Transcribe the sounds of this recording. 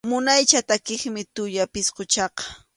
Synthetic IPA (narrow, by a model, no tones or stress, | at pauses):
mʊnajt͡ʃat̪akɪχmɪt̪ʊʎapɪsqʊt͡ʃɑqɑ̥